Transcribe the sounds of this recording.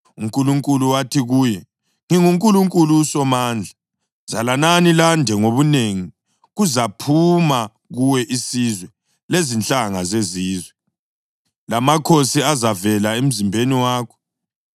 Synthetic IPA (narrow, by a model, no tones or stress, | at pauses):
uŋkʼuluŋkʼuluwatʰiɣuːjɛ | ŋiŋuŋkʼuluŋkʼulusɔmaːnd͡ɮʱa | z̥alananilandʱɛŋoβuneŋi | ɣuzapʰuma | ɣuwɛʔisizwɛ | lezint͡ɬʼaŋazeziːzwɛ | lamakʰosiazavɛlaem̩zimbʱeniwaːkʰɔ̥